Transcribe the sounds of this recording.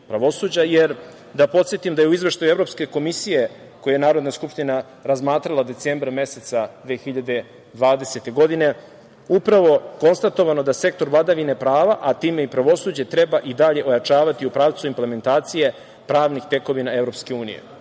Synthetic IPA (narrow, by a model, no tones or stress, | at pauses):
pɾaʋo̞suːd͡ʑajeɾ | d̪apo̞t̪sje̞t̪imd̪ajeuizʋeʂʃt̪ajueɾo̞pske̞ko̞misije | kojejenaːɾo̞d̪naskupʂt̪ina | ɾazmaːt̪ɾalˠad̪e̞t̪seːmbɾame̞set̪sad̪ʋeːxiʎad̪e̞ | d̪ʋaːd̪e̞se̞t̪e̞ɡo̞d̪ine̞ | upɾaʋo̞ko̞nst̪at̪o̞ʋano̞d̪ase̞k̚t̪o̞ɾʋlˠad̪aʋine̞pɾaːʋaʔat̪iːme̞ipɾaʋo̞suːd͡ʑe̞t̪ɾebaʔid̪aʎe̞ʔo̞jat͡ʃaːʋat̪iupɾaːʋt̪suimpleme̞nt̪aːt̪sije̞ | pɾaːʋnixt̪e̞ko̞ʋinae̞vɾo̞pske̞uːnḭjḛ